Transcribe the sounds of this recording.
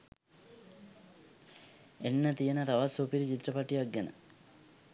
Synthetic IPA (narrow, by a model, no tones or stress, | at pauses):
enːɐt̪ijɐnɐt̪ɐʋasoːpiɾit͡ɕit̪ɾɐpaʈːiɐɡjɐnɐ̰